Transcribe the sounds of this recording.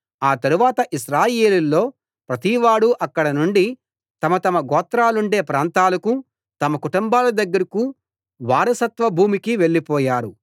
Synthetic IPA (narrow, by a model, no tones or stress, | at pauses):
aːt̪ɐɾuʋaːt̪ɐʔiʃɾaːje̞ːlulːo̞ː | pɾɐt̪iʋaːɽuʔɐkːɐɽɐnuɳɖi | t̪ɐmɐt̪ɐmɐɡɔːt̪ɾaːluɳɖe̞ːpɾaːnt̪aːlɐku | t̪ɐmɐkuʈumbaːlɐd̪ɐɡːɐɾiku | ʋaːɾɐsɐt̪ʋɐbʱuːmikiʋe̞ɭːipɔːjaːɾu